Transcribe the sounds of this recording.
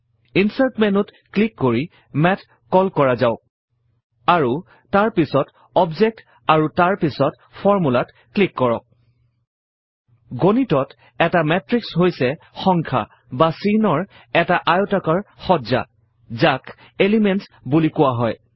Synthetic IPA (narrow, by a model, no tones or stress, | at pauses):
insatmɛnʊt | klikːoɹi | mɛt | kɔlkɔɹazaʊk̚ | aɹu | taɹpisɔt | ɔbzɛk̚t | aɹutaɹpisɔt | pʰɔɹmulat | klikːɔɹɔ̰k̚ | ɡonitɔt | ɛtamɛtɹiksɦojsɛ | xɔŋkʰa̰ | basinɔɹ | ɛtaʔajotakaɹxɔza̰ | zak | elimɛntsbulikʊwaɦɔj